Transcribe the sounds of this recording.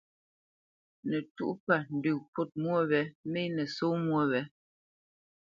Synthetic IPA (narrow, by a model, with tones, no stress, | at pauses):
nɛ˨tu˦ʔpa˦˨n̩˨dʉ˨pu˦˨t̚mwo˦˨βɛ˨˦me˦nɛ˨so˦mwo˦βɛ˨˦